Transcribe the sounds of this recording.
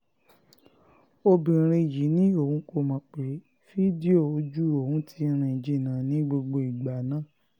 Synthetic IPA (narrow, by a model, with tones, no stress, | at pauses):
o˧bĩ˨ɾ̃ẽ˧˨ji˨˦nĩ˦o˦˨hũ˨˦ko˧mã˨˧˦k͡pe˨˦ | fi˦di˦o˦˨o˨˦d͡ʒu˦o˦˨hũ˨˦tʰi˧˦ɾ̃ĩ˧˨d͡ʒi˧˦˨nã˨˦nĩ˨˦ɡ͡bo˧ɡ͡bo˧i˨ɡ͡ba˨nãː˦˨